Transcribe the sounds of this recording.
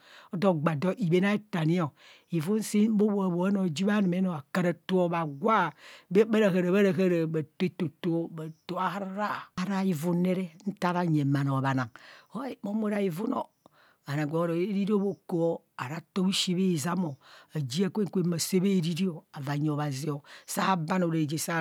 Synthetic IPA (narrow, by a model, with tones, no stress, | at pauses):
o˦do˦ɡ͡ba˨do˦ʔi˨be˦na˦e˦ta˨ni˦o˨ | i˨vu˦n˦se˦bo˦βo˨a˨βo˨a˦no˨d͡ʒi˦βa˦ni˨me˦no˨a˨ka˨ɾa˨to˦o˨ba˨ɡwa˦˨be˦ba˦ɾa˨ha˨ɾa˨βa˦ɾa˨ɦa˦ɾa˨ba˨te˦to˨to˦ba˨to˨a˨hɾɾa˦˨ɾa˦i˨vu˦ne˦ɾe˦n̩˦ta˦ɾa˦˨ɲe˨ma˨no˨βa˨na˨ŋo˦mo˦mo˦ɾa˨i˨vu˦no̰˨ | a˨na˨ɡʷo˨˦ɾo˨e˦ɾi˦ɾi˦o˦bo˨ko˨˦ | a˨ɾa˦to˦bi˦ʃi˦βe˦i˨za˦mo˨a˨d͡ʒi˦a˦kʷe˦ŋkʷe˦a˨se˦be˦ɾi˦ɾi˦o˨a˨va˨ɲ˨o˨βa˨zi˨˦o˨sa˦ba˦no˨ɾe˨d͡ʒe˨sa˦